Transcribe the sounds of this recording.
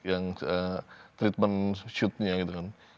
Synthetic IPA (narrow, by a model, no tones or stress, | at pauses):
jaŋ | t̪ɾit̪̚manʃut̪ɲaɡit̪ukan